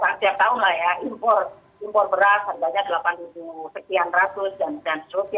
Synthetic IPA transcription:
kast̪iap̚t̪aʊnlahjaimpɔr | impɔrbəɾashablaɲadəlapant̪ubusək̪ianrasʊsdandansəɾusia

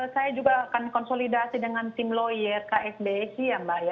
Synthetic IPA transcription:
sajad͡ʒuɡaːkankɔnsolidasidəŋant̪ɪmlojərkaʔɛsbeɛsijambahja

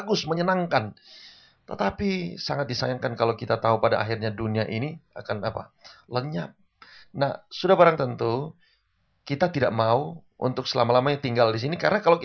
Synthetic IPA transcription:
ɡʊsməɲənaŋkan | t̪ət̪apisaŋat̪̚disajaŋkankalowkit̪at̪aupada̰ʔa̰ɦirɲaduniaʔinia̰kanapa̰ləɲa̰p̚ | na̰hsudahbaɾaŋt̪ənt̪u | kit̪at̪ida̰ʔmauṵnt̪ʊk̚səlamalamajat̪iŋɡaldis̬inikaɾənakalo

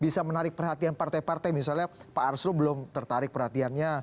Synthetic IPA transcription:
bisamənaɾɪk̚pərɦat̪ianpart̪ajpart̪ajmisalɲapaarsɾubəlʊmt̪ərt̪aɾɪk̚pərɦat̪ianɲa

